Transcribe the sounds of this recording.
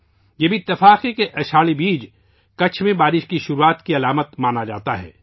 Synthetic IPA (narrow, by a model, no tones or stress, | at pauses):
jebʱiɪt̪ːɪfaːqikeʔɐʃʰaːɭibiːd͡ʒ | kɐt͡ʃʰmẽbaːɾɪʃkiʃʊɾuaːt̪kiɐlaːmət̪maːnad͡ʒaːt̪aɦɛ̰ː